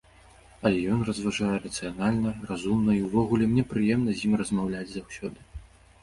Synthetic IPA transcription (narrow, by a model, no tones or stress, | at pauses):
ɐlʲɛjɔnrɐzvaʐajɛrɐt̪sɨjanalʲnɐrazumnɐiwvɔɣulʲɛmnʲɛpɾɨjɛmn̪ɐzʲjimrɐzmawlʲad͡zʲzawsʲɔd̪ɨ